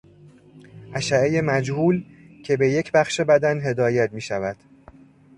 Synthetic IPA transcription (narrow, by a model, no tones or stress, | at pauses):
ʔæʃæeje̞mæd͡ʒhuːl | cʰe̞be̞je̞cʰbæxʃe̞bæd̪ænɦe̞d̪ɒːjæt̪miːʃævæd̪̥